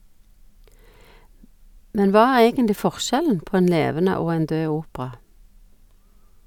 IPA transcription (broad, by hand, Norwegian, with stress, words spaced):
ˈmɛn ˈʋɑː ˈæːʁ ˈeːɡənlɪ ˈfɔʁˌʃɛln̩ ˈpoː ˈeːn ˈleːʋənə ˈoː ˈeːn ˈdøː ˈuːpʁɑ